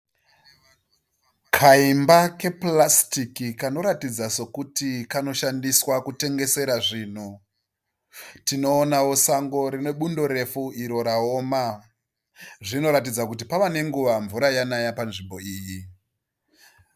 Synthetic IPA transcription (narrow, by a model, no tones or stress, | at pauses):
kʰaimbake̞plastikikano̞ɾatid͡zaso̞kutikano̞ʃandiswakute̞ŋɡe̞se̞ɾaʐiːn̤o | tino̞ːnawo̞saŋɡo̞ɾine̞ɓundo̞ɾe̞fuiɾo̞ɾaoma | ʐino̞ɾat̬id͡zakut̬ipaʋane̞ŋɡuʋaɱvuɾajanajapanʐimbo̞iːji